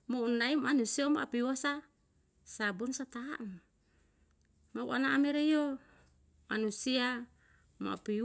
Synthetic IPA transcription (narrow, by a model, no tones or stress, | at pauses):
mounːaimanusiamaʔapiwasa | sabunsat̪a̰n | maṵʔanaːmeɾejo | manusia | mo̰a̰pi